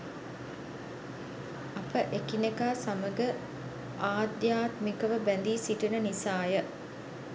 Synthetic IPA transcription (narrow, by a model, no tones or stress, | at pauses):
ɐpəʔekinekaːsaməɡə | aːd̪jaːt̪mikəʋəbænd̪iːsiʈinənisaːjə